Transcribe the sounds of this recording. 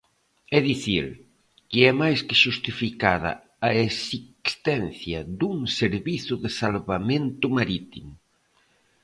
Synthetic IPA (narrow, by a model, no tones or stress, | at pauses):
ɛðiθḭɾ | kɪɛmajskɪʃust̪ifikað̞ɐ̰ | aesikst̪ɛnθjɐðuŋseɾβiθʊðɪsalβamẽnt̪ʊmaɾit̪imʊ